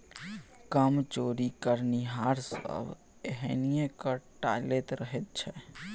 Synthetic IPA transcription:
kəmt͡ʃoɾikəɾniɦaɾsə̰b | eɦɛnijẽkəʈa̰let̪ɾəɦɛt̪̚t͡ʃʰɛ

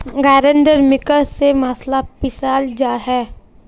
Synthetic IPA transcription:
ɡaːɾə̃ɳɖəɾmɪkəɾsemaːslapɪsaːld͡ʒaːɦɛː

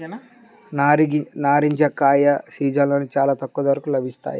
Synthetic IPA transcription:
naːɾnaːɾiɲd͡ʒɐkaːjɐsiːd͡ʒaloːnit͡ʃaːlaːt̪ɐkːuːɐd̪ɐʋɐɾɐkulɐbʱist̪a̰ːji

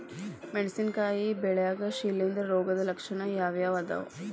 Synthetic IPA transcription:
meɖisinkaːjibɛɭɐjaːɡɐʃiːlːind̪ɐɾɾoːɡɐd̪ɐlɐkʂɐɳɐjaːʋjaːʋɐd̪ɐ̰ʋ

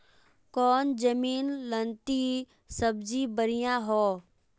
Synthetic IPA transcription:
kɔːnd͡ʒəmiːnlənt̪i | səbd͡ʒiːbəɾijãːɦoː

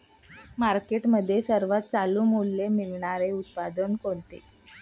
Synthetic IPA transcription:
maɾkeʈməd̪ʱːjesəɾʋat̪̚t͡saluːmulːemilɳaɾeut̪̚pad̪ənkont̪ḛ

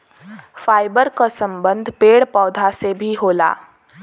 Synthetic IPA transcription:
faːɪbəɾkasə̃mbə̃nd̪ʱpeːɽpɔːd̪ʱasebʱiɦoːla̰ː

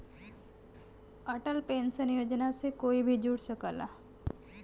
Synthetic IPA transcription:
əʈəlpensənjod͡ʒnaʃekoibʱid͡ʒuɽʃəkəla

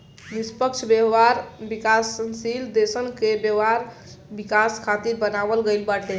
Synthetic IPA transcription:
nispəkt͡ʃʰbjeɦaɾbikasːənsild̪esənkebjəaɾ | bikaskʰat̪iɾbənabəlɡəjlbaʈe

